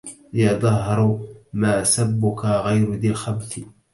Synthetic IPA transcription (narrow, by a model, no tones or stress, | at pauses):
jɑðˤɑhːɑɾˤmaːsabːʊkaɣajɾʊðɪlxabθɪ